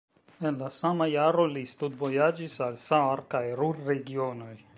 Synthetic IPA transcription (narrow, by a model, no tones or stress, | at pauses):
e̞nlasamajaɾo̞list̪udvo̞jad͡ʒisalsaaɾkajɾuɾːe̞ɡio̞no̞j